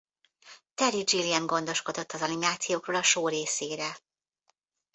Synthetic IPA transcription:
t̪ɛɾid͡ʒiliɛŋɡo̞n̪d̪o̞ʃko̞d̪o̞t̪ːɒzɒnimaːt̪sijoːkroːlɒʃoːɾeːseːɾɛ

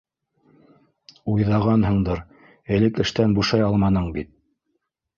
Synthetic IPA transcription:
ujðɑʁɑnɦɤ̆ɴd̪ɤɾ | ɘ̆lɘkɘ̆ʃt̪ænbuʃɑjɑlˠmɑnɤɴbit̪̚

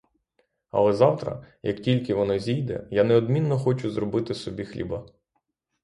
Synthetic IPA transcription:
ɐ̰lˠɛzɑwt̪ɾɐ̰jɐktʲilʲkɪʋɔnɔzʲijd̪ɛ̰janɛɔd̪mʲinːɔxɔt͡ʃʊzrɔbɪt̪ɪsɔbʲixlʲḭbɐ

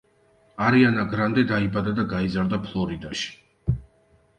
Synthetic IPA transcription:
aɾianaɡɾand̪ɛd̪aibad̪ad̪aɡaizaɾd̪apʰlˠɔɾid̪aʃi̥

